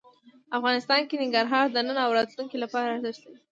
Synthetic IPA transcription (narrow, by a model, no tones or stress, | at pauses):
afɣɑnɪst̪ɑnkenɪŋɡaɾɦɑɾd̪ənənaawɾɑt̪luŋkilapɑɾaːɾzɪʃt̪ai